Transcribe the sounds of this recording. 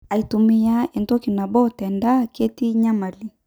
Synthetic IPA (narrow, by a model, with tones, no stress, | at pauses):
a˨i˨tu˨mi˦a˦ɛ˨ntɔ˦ki˨na˨bɔ˦tɛ˨nda˦ke˦ti˦ɲa˦ma˨li˨